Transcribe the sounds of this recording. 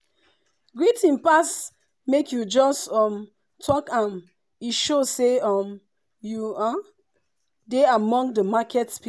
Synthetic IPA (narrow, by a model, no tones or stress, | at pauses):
ɡɹitĩnpas | mekʰjud͡ʒɔstɔm | tʰɔkãn | iʃoseɔm | jua | deamɔ̃ŋdəmakʰɛtspi